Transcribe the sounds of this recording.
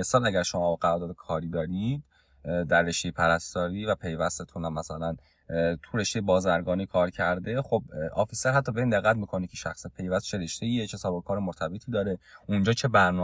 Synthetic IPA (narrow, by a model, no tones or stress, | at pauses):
esɒːlæɟæɾʃomɒːbɢæɾɔːɾd̪ɒːd̪ekʰɒːɾiːd̪ɒːɾid̪ | d̪ærːe̞ʃt̪e̞jepʰæɾæst̪ɒːɾiːvæpʰe̞jvæst̪et̪ʰunæmːæsælæn | t̪ʰuɾe̞ʃt̪ejebɒːzæɾɡɒːnikʰɒːɾcʰæɾd̪e̞xobɒːfiseɾɦæt̪ʰːɒːbeiːnd̪eɣːæt̪miːkʰo̞nikʲʰeʃæxsepʰe̞jvæst̪t͡ʃʰeɾeʃt̪eiecʰesɒːbokʰɒːɾemoɾt̪ʰæbet̪ʰiːd̪ɒːɾe̞ʔund͡ʒɒːt͡ʃʰe̞bæɾnɔː